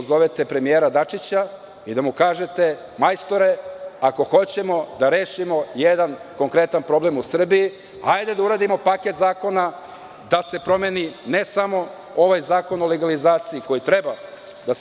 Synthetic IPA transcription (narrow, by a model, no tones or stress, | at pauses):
zo̞ʋet̪e̞pɾe̞mijeːɾad̪at͡ʂit͡ɕa | id̪amukaːʒe̞t̪e̞ | majst̪o̞ɾe̞ako̞xo̞t͡ɕe̞mo̞d̪aɾe̞ːʃimo̞jed̪anko̞ŋkɾe̞t̪anpɾo̞ble̞musr̩bii | ajd̪ed̪auɾaːd̪imo̞paket̪zaːko̞na | d̪ase̞pɾo̞meninesamo̞ | o̞ʋajzaːko̞noleɡalizaːt̪siiko̞jit̪ɾeba | d̪as